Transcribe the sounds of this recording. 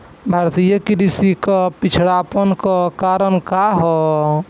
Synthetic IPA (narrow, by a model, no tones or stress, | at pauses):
bʱaɾt̪ijəkiɾisikapit͡ʃʰɽaːpənkɔkaɾənkaɦɔ